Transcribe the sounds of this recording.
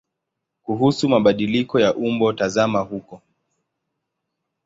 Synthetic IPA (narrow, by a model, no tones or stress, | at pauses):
kuɦusumaɓaɗilikɔjaʔumbɔtazamahukɔ